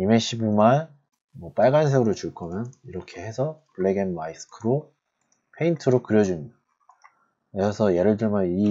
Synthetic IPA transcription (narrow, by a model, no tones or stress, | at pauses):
imeɕʰibuman | mwʌp͈aɭɡanns̬ʰeɡɯɾot͡ɕuɭk͈ʰʌmjʌniɾʌkʰe̞he̞sʰʌpɯɭeɡenmaisɯ̥kʰɯɾo | pʰe̞intʰɯɾokɯɾjʌd͡ʑuɲa | esʰʌje̞ɾɯɭdɯɭmʌi